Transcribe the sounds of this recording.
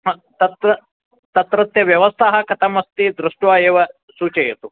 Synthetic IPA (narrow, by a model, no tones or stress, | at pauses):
ɦɐt̪ɐt̪ɾɐ | t̪ɐt̪ɾɐt̪jɐʋjɐʋɐst̪ʰaɦɐ̆kɐt̪ʰɐmɐst̪iːd̪ɾuʂʈʋaːeːʋɐ | suːt͡ʃɐjet̪u